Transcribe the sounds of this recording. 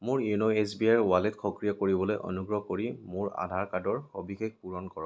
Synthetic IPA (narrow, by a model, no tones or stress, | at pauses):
mʊɹjunoesbiajɹwaletxʰɔkɹijɔkoɹibɔlojʔɔ̰nuɡɹɔkoɹimʊɹa̰dʱaɹkadɔɹxobixek̚puɹɔnkɔɹɔ